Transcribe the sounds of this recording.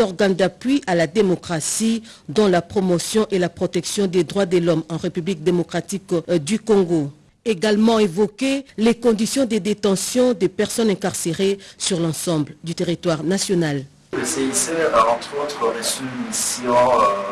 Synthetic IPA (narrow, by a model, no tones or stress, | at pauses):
ɔʁɡãnd̪apɥiʔalad̪emɔkχasi | d̪ɔ̃lapχɔmɔsjɔ̃ʔelapχɔt̪ɛksjɔ̃d̪ed̪ʁwad̪əlɔmɑ̃ʁepyblik̚d̪emɔkχat̪ikd̪ykɔ̃ɡo | eɡalmɑ̃evɔkelekɔ̃d̪isjɔ̃d̪əd̪et̪ɑ̃sjɔ̃d̪epɛʁsɔnɛ̃kaʁseʁesyʁlɑ̃sɑ̃bld̪yt̪eʁit̪waʁnasjɔnal | eseisɛʁaɑ̃t̪χot̪χəlesymisjɔ̃